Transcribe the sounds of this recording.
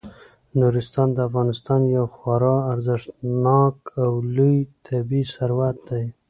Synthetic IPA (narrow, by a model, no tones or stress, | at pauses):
nuɾɪst̪ɑnd̪əafɣɑnɪst̪ɑnjawxwɑɾɑaɾzɪʂt̪nɑkawlujt̪ʰabisaɾwat̪̚d̪aj